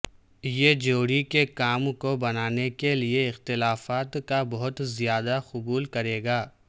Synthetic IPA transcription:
jed͡ʒoːɽikekaːmkobɐnaːnekelieɪxt̪ɪlaːfaːt̪kabɔɦʊt̪zijaːd̪axʊbuːlkɐɾeːɡaː

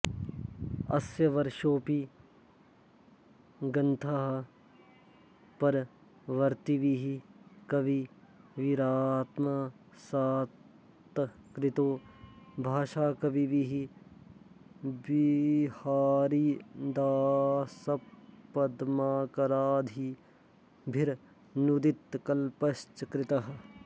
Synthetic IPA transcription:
ɐ̰sjɐʋɐɾʃoːpi | ɡɐnt̪ʰaɦ | pɐɾ | ʋɐɾt̪iʋiɦikɐbiʋiɾaːt̪ma | saː | t̪kɾɪt̪oːbʱaːʃaːkɐbiʋiɦi | bihaːɾiːd̪aːsɐpːɐd̪maːkɐɾaːd̪ʱi | bʱɪɾ | nud̪ɪt̪kɐlpɐst͡ʃɐkɾɪt̪ɐɦ

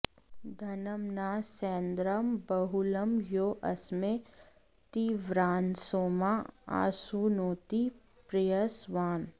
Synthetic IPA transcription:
d̪ʱɐnəmnaːseːnd̪ɾəmbɐɦulɐmjoːʔɐsme | t̪iʋɾaːnsoːmaa̰ːsunoːt̪i | pɾejəsʋaːn

